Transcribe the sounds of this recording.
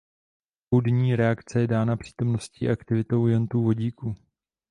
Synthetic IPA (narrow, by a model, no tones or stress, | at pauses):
pudɲiːɾɛakt͡sɛjɛdaːnapr̥i̥ːt̪o̞mno̞scḭːʔakt̪ɪvɪt̪o̞wjant̪uːvo̞ɟiːku